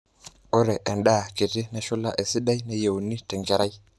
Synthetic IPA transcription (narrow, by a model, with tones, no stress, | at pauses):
o˦ɾɛ˨ʔɛ˨nɗa˦˨ke˨ti˦nɛ˨ʃu˦la˦ʔe˨si˦ɗa˦jne˦˨je˨wni˦tɛ˨ŋɡɛ˨ɾa˦j